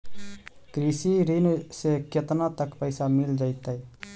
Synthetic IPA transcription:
kɾiːsiɾinseket̪nat̪əkpəɪsamɪld͡ʒaːɪt̪aɛ

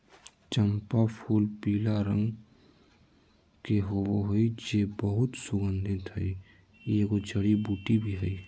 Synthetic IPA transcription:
t͡ʃəmpapʰuːlpiːlaɾə̃ŋɡ | keɦobɦoid͡ʒebəɦʊt̪sʊɡənd̪ʱɪt̪ɦəi | eɡod͡ʒəɽibuːʈibʱiɦəi

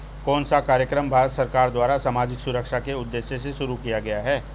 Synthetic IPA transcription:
kɔːnsakaːɾjəkɾəmbʱaːɾət̪sɐɾkaːɾd̪waːɾasamaːd͡ʒɪksʊɾəkʃakeʊd̪ːeːʃjeseʃʊɾukijaɡɐjaɦɛː

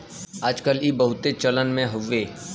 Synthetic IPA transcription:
aːd͡ʒkəlibəɦʊt̪et͡ʃɐlənmẽɦʊʋeː

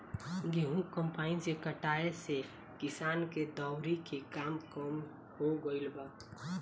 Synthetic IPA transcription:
ɡeɦũkəmpaɪnsekəʈaese | kisaːnked̪ɔwɾikekamkəm | hoɡəɪlbə

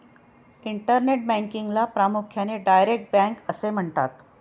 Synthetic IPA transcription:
iɳʈəɾneʈ̚bæŋkiŋɡlapɾamukʰjaneɖajɾek̚ʈ̚bæ̃ŋkəsem̤əɳt̪at̪

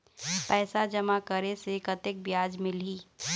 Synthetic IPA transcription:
pɛːsad͡ʒɐmakəɾesekət̪ɪk̚bjaːd͡ʒmɪlɦiː

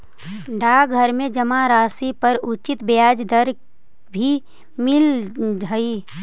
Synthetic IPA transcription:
ɖaːɡʱəɾmẽd͡ʒəmaɾaːsipəɾʊt͡ʃɪt̪bejaːd͡ʒd̪əɾ | bʱi | mɪld͡ʒəi

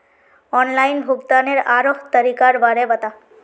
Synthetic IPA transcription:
ɔnlainbʱuɡt̪aneɾaɾoɦt̪əɾikaɾbaɾebət̪a

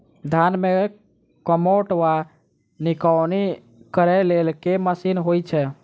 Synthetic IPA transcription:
d̪ʱanme | kəmoʈʋa | nikəwni | kəɾɛlelkeməsinɦojt͡ʃʰɛ

